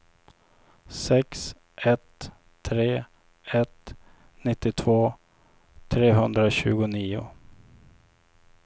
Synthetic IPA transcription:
sɛks | ʔɛt̪ʰː | ɾeː | ɛt̪ | nɪt̪ːɪt̪ʰvoː | t̪ʰɾeːɦɵnd̪ɾaɕʉ̟ːɡʊniːʊ̰

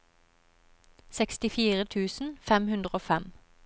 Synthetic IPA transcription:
sɛkst̪ɪfiːʁət̪ʰʉːsn̩fɛmhʉnd̪ʁəoːfɛm

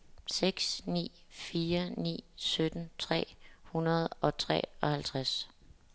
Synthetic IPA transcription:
seɡ̥snḭːfiːɐnḭːsød̥n̩t͡sʰʁɛ̰ːhunɐð̞ˠɒ̽t͡sʰʁɛ̰ːɒ̽hælt͡sʰʁas

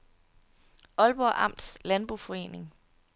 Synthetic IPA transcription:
ʔɒ̽lb̥ɒʔɑ̈m̰d̥slænb̥ʁufɒ̽e̝̰ːne̝ŋ

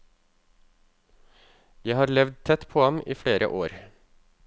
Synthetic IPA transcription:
jæɪhɑːɾlɛʋd̪̚t̪ʰɛt̪pʰoːɑmʔḭːfɽeːɾʔə̰ʔoːɾ

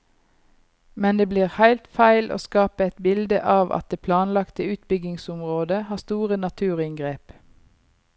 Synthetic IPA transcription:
mɛnd̪eːbliːʁhæɪlt̪fæɪlʔo̰ːskɑːpəɛt̪bɪld̪əʔɑːʋɑ̰t̪̚d̪eːpʰlɑːnlɑkt̪əʉːt̪bʏɡɪŋsʊmʁoːd̪əhɑːst̪uːʁənɑt̪ʰʉːʁɪŋɡʁeːp

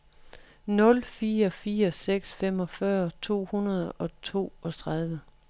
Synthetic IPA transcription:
nɔ̽lfiːɐfiːɐseɡ̥sfem̰ɒ̽fɶɐt͡sʰo̝̰ːhunɐð̞ˠɒ̽t͡sʰo̝̰ːɒ̽t͡sʰʁɑð̞ˠʋə

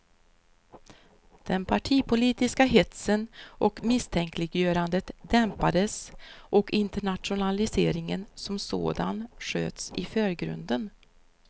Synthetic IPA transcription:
d̪̥ɛnpʰaʈʰiːpʰʊliːt̪ɪskaɦɪt̪sənʔɔkmɪst̪ʰɛŋkʰlɪɡjøːɾand̪ət̪d̪ɛmpad̪əsʔɔkɪnt̪əɳat̪ʂʊnalɪseːɾɪŋənsɔmso̰ːd̪a̰nʂø̰ːt̪sɪ̰føːɾɡɾɵ̰nd̪ən

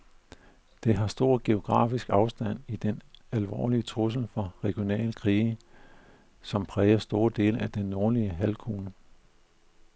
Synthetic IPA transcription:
d̥e̝ɦɑ̈sd̥o̝ɐ̰ɡ̥e̝o̝ɡ̥ʁɑ̈ːfisɡ̥ɑ̈ʊsd̥æn̰id̥enælʋɒ̰ːliət͡sʰʁus̬l̩fɒ̽ʁɛɡ̥jo̝nɛ̰ːlkʰʁiː | sɒ̽mpʰʁɛːɐsd̥o̝ːɐd̥e̝̰ːləæd̥enːo̝ːɐliəɦælkʰuːnə

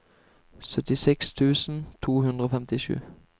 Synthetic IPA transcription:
sœt̪ɪsɛkst̪ʰʉːsn̩t̪ʰuːhʉnd̪ʁəoːfɛmt̪ɪʃʉ̰ː

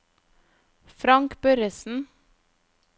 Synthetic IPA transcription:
fɾɑŋkbœɾəsn̩

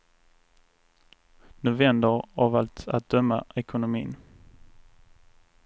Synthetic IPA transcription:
nʊvɛnd̪əɾavalt̪a̰t̪̚d̪œmːaɛkʊnʊmḭːn

